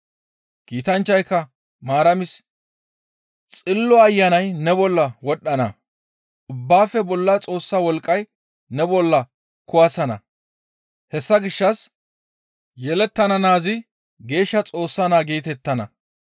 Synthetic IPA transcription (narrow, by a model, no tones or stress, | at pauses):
kiːt̪ɐnt͡ʃːɐjkːɐ | maːɾɐmɪs | t͡sʼɪlːɔɐjːɐnɐjnɛbɔlːɐwɔɗːɐnɐ̰ | ʔʊbːaːfɛbɔlːɐt͡sʼo̞ːsːawɔlkʼːɐj | nɛbɔlːɐ | kʊwɐsɐnɐ̰ | hɛsːɐɡɪʃːɐs | jɛlɛt̪ːɐnɐnaːzɪ | ɡe̞ːʃːɐt͡sʼo̞ːsːɐnaːɡeːt̪ɛt̪ːɐnɐ̰